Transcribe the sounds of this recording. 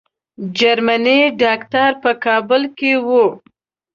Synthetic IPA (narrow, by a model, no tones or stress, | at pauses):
d͡ʒaɾmaniɖɑkt̪aɾpəkɑbʊlkewu